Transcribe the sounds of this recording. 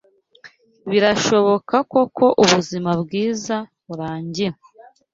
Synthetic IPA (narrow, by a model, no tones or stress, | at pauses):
βiɾaʃo̞βo̞kako̞kʰo̞ʔuβuzimabɡiːzaβuɾaːɲɟiɾa